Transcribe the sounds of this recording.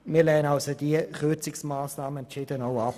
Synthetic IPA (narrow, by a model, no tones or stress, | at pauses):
miːɐlɛːənalsodiəχøt͡sɪksmaːsnaːmənt͡ʃɪd̥ənoʊap